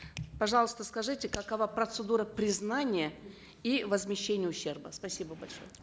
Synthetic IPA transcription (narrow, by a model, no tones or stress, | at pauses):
pɐʐɑlˠəst̪əskɐʐɨtʲɪkɐkɐvapɾət̪sɨd̪uɾəpɾʲɪznanʲɪjə | ivəzmʲɪɕːenʲɪjəʊɕːe̞rbəspɐsʲibəbɐlʲʂo̰jə